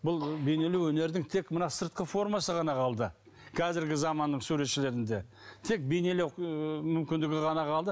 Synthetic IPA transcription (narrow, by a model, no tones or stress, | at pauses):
bʊlˠbe̞jne̞lewɵne̞ɾd̪ɪŋt̪ʰe̞kmənɑsəɾt̪̚qəfo̞ɾmɑsəʁɑnɑqʰɑlˠd̪ə | kʰɑzɪɾɡʲɪzɑmɑnːəɴsuɾe̞t̪ʃɪle̞ɾɪnd̪e̞ | t̪ʰe̞k̚be̞jne̞lewmʏmkʲɪnd̪ɪɡʲɪʁɑnɑqʰɑlˠd̪ə